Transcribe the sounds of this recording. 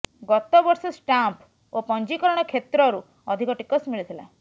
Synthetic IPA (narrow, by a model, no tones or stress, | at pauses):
ɡɔt̪ɔbɔɾsɔsʈamp | opɔnd͡ʒikɔɾɔɽ̃ɔkʰet̪ɾɔɾu | ɔd̪ʱikɔʈikɔsmiɭit̪ʰila̰